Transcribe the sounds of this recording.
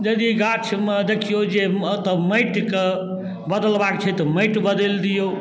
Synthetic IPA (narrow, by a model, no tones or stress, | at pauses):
d͡ʒəd̪iɡat͡ʃʰmed̪ekʰijod͡ʒet̪ɔməjʈke | bəd̪əlbakt͡ʃʰɛt̪ɔməjʈbəd̪eld̪ijo